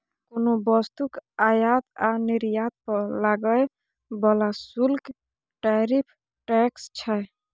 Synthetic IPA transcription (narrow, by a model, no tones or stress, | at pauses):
konobɔst̪ukajat̪aniɾjat̪̚pəlaɡəj | bɔlasulk | ʈaɾipʰ | ʈɛkst͡ʃʰɛ